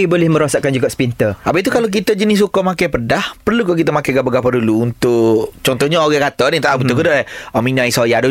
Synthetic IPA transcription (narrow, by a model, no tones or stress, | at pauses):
ibolɪhmə̃ɾosaʔkand͡ʒuɡaʔspint̪əʔapait̪ukalok̬it̪əd͡ʒənɪs̬ukomakajpədahpərlukɔʔk̬it̪əmakajɡaʔbəɡapaduluunt̪ʊʔt͡ʃɔnt̪ɔhɲaoɣɛkat̪onit̪aʔabət̪ukədaɔminãisojadu